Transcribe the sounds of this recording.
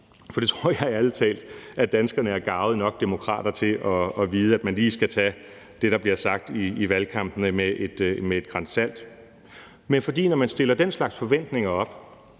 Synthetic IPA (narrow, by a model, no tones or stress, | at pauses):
fɒ̽d̥e̝t͡sʰʁoɐ̰jɑ̈ɪælt͡sʰɛ̰ːld̥æd̥ænsɡ̥ɐnəæɐɡ̥ɑ̈ʊð̞̩ˠnɒ̽ɡ̥̚d̥e̝mo̝kʰʁɑ̰̈ːd̥ɐt͡sʰe̝lʔɒ̽ɒ̽ʋiːð̞̩ˠæd̥̚mænliːsɡ̥æt͡sʰɛ | d̥e̝ɾ̥ɑ̈b̥liɐsɑ̈ɡ̥̚d̥iːʋælkʰɑ̈m̰b̥n̩əmeʔed̥mee̝d̥̚ɡ̥ʁɑnsæl̰d̥ | menfɒ̽d̥ḭːnɒmænsd̥e̝lɐd̥enslɑ̈ɡ̥sfɒ̽ʋen̰d̥ne̝ŋɐɒ̽b̥